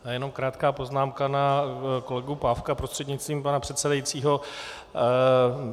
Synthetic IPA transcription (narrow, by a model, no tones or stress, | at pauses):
ajɛno̞mkɾaːt̪kaːpo̞znaːmkanako̞lɛɡupaːfkapɾost̪r̥ɛdɲɪtt͡st̪viːmpanapr̥ɛt̪sɛdajit͡siːɦo̞